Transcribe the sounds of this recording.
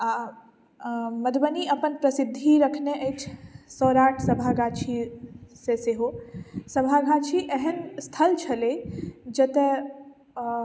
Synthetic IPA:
a | məd̪bəniəpənpɾəsɪd̪ʱːiɾəkʰneʔə̃t͡ʃʰsɔːɾaːʈʰsəbʱaɡaːt͡ʃʰiseseɦosəbʱaɡʱãt͡ʃʰiʔɛɦənst̪ʰəlt͡ʃʰɐled͡ʒət̪e

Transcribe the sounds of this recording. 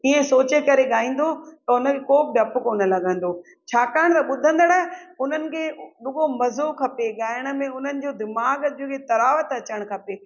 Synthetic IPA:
iːẽsoːt͡ɕekɐɾeɠaːĩːnd̪ot̪ɐʊnə̆kʰekoːbɪɖɐpʊkoːnə̆lɐɡʱə̃n̆d̪oː | t͡ɕʰaːkaːɪɽ̃t̪ɐɓʊd̪ʱə̃nd̪əɽɛɦʊn̤ənɪ̆kʰeːɗʊɡomɐzokʰɐpeɠaːɪəɽ̃̆mẽʊn̤ənɪ̆d͡ʑoːd̪ɪmaːɡiket̪ɐɾaːʋət̪ɐt͡ɕəɽ̃kʰɐpeː

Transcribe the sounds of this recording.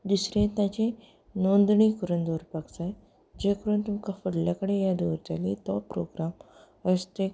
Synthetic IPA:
d̪usɾẽt̪ãt͡ɕẽ | nond̪ɳikəɾund̪oɾpaɡt͡saj | d͡ʑekəɾunt̪umkafəɽljakəɽejad̪uʋɾt̪alḭt̪ɔpɾo̰ɡɾam | əst̪e

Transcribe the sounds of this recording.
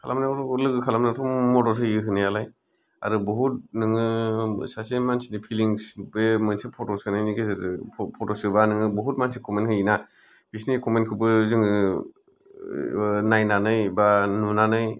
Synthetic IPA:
kʰalʔa̰mnaɾlɯɡɯkʰalamnatʰɔmmɔdɔɾs̬ʰɯjɯɦɯnajalaj | a̰ɾɯbuɦut̚nɯŋɯsasimansinipʰiliŋsbemɯnsepʰɔtɔsɯnɯjnikes̬ɾɯpʰɔtosɯbanɯŋɯbuɦut̚mansikʰɔmenhʰɯjina | b̥isniskʰɔmenkʰɯbɯzɯŋɯ | najnanɯjbanunanɯj

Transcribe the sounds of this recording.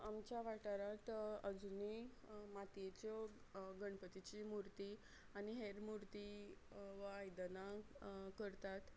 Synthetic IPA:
amt͡ɕjaʋaʈaɾat̪əd͡zunimat̪et͡ɕɔ | ɡəɳpət̪it͡ɕimuɾt̪i | añiɦeɾmuɾt̪i | ʋaajd̪nakəɾt̪at̪

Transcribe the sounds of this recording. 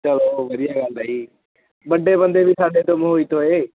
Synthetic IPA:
t͡ʃəloːʋəɾɪjaɡaːld̪aːiː | bəɖʱeːbə̃nd̪ʱeːbisʰaːɖẽt̪omɦoit̪oːɦeː

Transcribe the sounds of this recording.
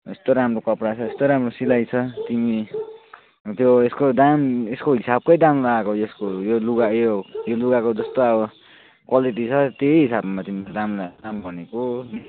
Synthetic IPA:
est̪oɾamrokʌpɽat͡sʰʌest̪oɾamrosilajt͡sʰʌt̪imi | t̪joeskod̪ameskoɦisab̚kʌjd̪amlaɡakoeskojoluɡajojoluɡakod͡zʌst̪oʌbʌ | kwaliʈit͡sʰʌt̪eɦisabmat̪imiad̪amlad̪ambʱʌneko

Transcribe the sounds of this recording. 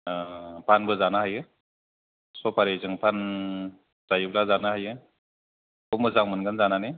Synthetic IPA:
pʰanbɯzanaɦajɯ | sɔpaɾezɯŋpʰan | zajɯblazanahajɯ | kɔmɯzaŋmɯnɡɯnzanane

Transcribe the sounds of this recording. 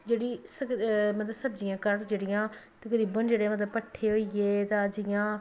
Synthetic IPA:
d͡ʒeːɽiːsəmət̪ləsəbd͡ʒɪjãːkəɾd͡ʒeːɽɪjãːt̪ẽːkəd̪iːbənd͡ʒeːɽemət̪ləbpəʈʰːeːɦoːieːt̪ãəd͡ʒɪjãː

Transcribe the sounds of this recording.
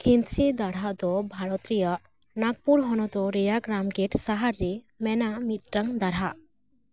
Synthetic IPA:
kʰint͡ʃʰid̪aɽ̤aʔd̪ɔbʱaɽɔt̪ɾijaʔ | naɡ̚puɾɦɔnɔd̪ɔɾɛjaɡɾamɡeʈsaɦaɾːɛ | mɛnaʔmit̪̚ɾəŋd̪aɽaʔ

